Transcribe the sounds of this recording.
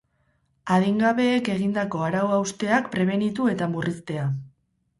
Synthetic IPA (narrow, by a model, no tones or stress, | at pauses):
aðiŋɡaβ̞e̞ːke̞ɣ̞ind̪ako̞aɾawawst̪e̞akpɾe̞β̞e̞nit̪ue̞t̪amurist̪e̞a